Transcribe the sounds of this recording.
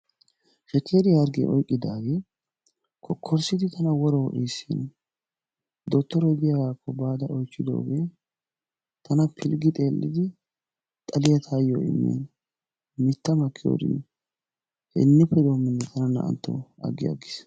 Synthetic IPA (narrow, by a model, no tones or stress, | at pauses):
ʃɛkːeːd̪ɪɐɾɡḛːʔɔjkʼːɪd̪aːɡeː | kʰɔkʰːɔɾsɪd̪ɪt̪ʰɐnɐwɔɾɔwʔiːsːḭn | d̪ɔt̪ːɔɾɔd̪ɪjaaːkːɔbaːd̪ɐʔɔjt͡ʃːɪd̪o̰ːɡeː | t̪ʰɐnɐpʰɪlɡɪt̪ʼe̞ːlːɪ̰d̪ɪ | t̪ʼɐlɪjɐt̪ʰaːjo̰ɪ̰mːḛːn | mɪt̪ːɐmɐkʰːɪjo̰ːd̪ɪ̰nː | hɛ̰nːʊpʰːɛd̪oːmːɪnːɛt̪ʰɐnɐnːɐ̰ʔɐ̰nt̪ːo̰ɐ̰ɡːɪjɐ̰ɡɪs